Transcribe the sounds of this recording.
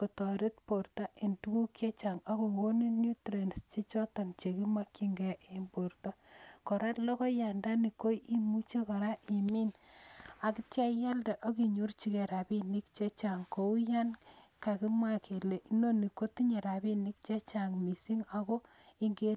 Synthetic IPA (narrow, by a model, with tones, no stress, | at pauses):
ko˨tɔ˨ɾi˦t̚po˨rta˦ʔe˨ntu˦ku˦kje˦t͡ʃa˨ŋa˦ko˨ko˦ni˦nju˦tɾe˨nst͡ʃe˦t͡ʃɔ˦tɔ˨nt͡ʃe˨ki˦ma˦ki˦ŋɡɛ˦ʔe˨mbo˨rta˦kɔ˨ɾa˦tlɔ˦kɔ˦ja˨nda˦ni˨ko˦i˦mu˦t͡ʃe˦ka˨ɾa˦ʔi˨mi˦n | a˨ki˦tja˦ja˦lda˨ʔo˦ki˨ɲu˦rt͡ʃi˨˦ke˨ɾa˨bi˦ni˦kt͡ʃe˦t͡ʃa˨ŋko˨u˦ja˦nka˨ki˦mwa˦kʰe˨le˨ʔi˦no˦ni˨ko˦ti˦ɲe˨ɾa˨bi˦ni˦k̚t͡ʃe˦t͡ʃa˨ŋmi˨si˦ŋa˨ko˦ | i˦ŋɡe˦